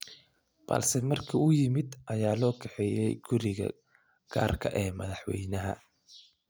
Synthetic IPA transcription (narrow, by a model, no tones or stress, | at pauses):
b̥ɐ̰lsɛmɐrkʰɐʊjɪmɪd̪ʔɐjaːlɔːkʰɛħɛjɛjɡ̥ʊɾɪɣɐ̰ | ɡ̥a̰ːrkʰɐ̰ʔɛːmɐðɑħwɛ̰jnɐɦɐ̰